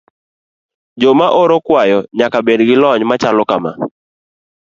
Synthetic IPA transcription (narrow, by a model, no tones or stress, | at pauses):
d͡ʒomaʔoɾokwajɔɲakabedɡɪlɔɲmat͡ʃalɔkama̰